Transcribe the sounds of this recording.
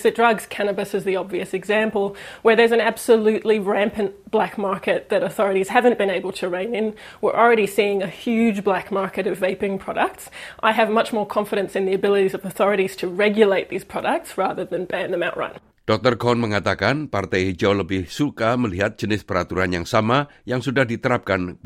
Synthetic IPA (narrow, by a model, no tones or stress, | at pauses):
ɨt̚dɹʌɡz̥kʰænɨbɨsɨzðiɑbviɨsɨɡzæ̃mpəlˠwə˞ðə˞zɨ̃næb̥səlʉʔˡliɹæ̃mpɨ̃nb̥lækmɑɹkɨt̪̚ðɨɾəθɔɹɨɾiz̥hævɨ̃nb̥ɨ̃ñeɪbəl̩ˠtʰɨɹẽɪ̃nɪ̃n | wɪɹʔl̩ˠɹɛɾisiɪ̃ŋɨhjʉd͡ʒblækmɑɹkɨɾʌveɪpɪ̃ŋpʰɹ̥ɑɾək̚tsʔaɪɨvmʌt͡ʃmɔɹkʰɑ̃ɱfɨɾɨ̃nsɨ̃nðiɨbɪlˠəɾizʌvəθɔɹɨɾiz̥tʰɨɹɛɡjɨleɪt̪̚ðiz̥pʰɹ̥ɑɾək̚tsɹæðə˞ðɨ̃nbæ̃nðə̃maʊʔ̚ɹʌ̰̃n | d̥ɔk̚t̪ərɡɔnməŋat̪akanpart̪ɛjd͡ʒawləbɪhsukaməliɦat̪̚d͡ʒ̥ənɪspəɾat̪uɾanjaŋsama | jaŋsudahdit̪əɾap̚kan